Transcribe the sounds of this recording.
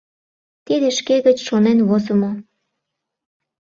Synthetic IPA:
t̪id̪eʃkeɣət͡ɕʃonenβozəmo

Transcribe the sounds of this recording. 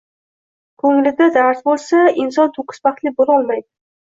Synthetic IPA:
kʰɵŋlɪd̪ad̪aɾsbolˠsaɪnsɒnt̪ʰoqʰɨ̥sbaχt̪lɪbolˠɒlˠmajd̪ɪ

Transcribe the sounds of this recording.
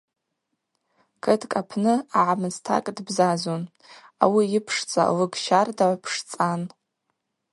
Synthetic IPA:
kʰɨdʰkʼapʰnɨaʕamɨztʰa̰kʼdbzazon | a̰wiɪpʰʂt͡sʼa̰lɨɡʃardaʕʷpʰʂt͡sʼan

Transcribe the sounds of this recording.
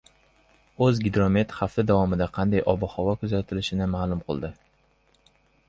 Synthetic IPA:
ɵzɡʲɪd̪ɾo̞me̞t̪χaft̪ɪd̪avɒmɪd̪aqʰɑnd̪ajʔɒbɒhɒvɒkʰʊzat̪ʰɪlɪʃɪnɪmaːlˠʊmqʰɨ̰lˠd̪ɪ

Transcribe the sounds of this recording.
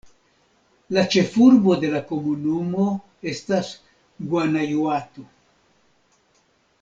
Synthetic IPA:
lat͡ʃe̞fuɾbod̪elakomunumo | est̪as | ɡwanajwat̪u

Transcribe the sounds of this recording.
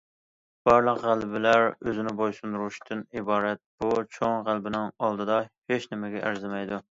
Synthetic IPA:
b̥ɑɾlˠəqʁælbɪlæɾøzɪnɪbojsund̪uɾuʃt̪ʰɨnibɑːɾɛt̪̚b̥ut͡ʃʰoŋʁælbɪnɪŋɑlˠd̪ɨd̪ɑheʃnɪmɪɡʲɛʔæɾzɪmɛjd̪u

